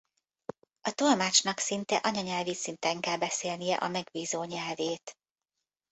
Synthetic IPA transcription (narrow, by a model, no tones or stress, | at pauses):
ɒt̪olmaːt͡ʃnɒksint̪ɛʔɒɲɒɲɛlvit̪sint̪ɛŋkɛlbɛseːlnijɛ̰ʔɒmɛɡbiːzoːɲɛlveːt̪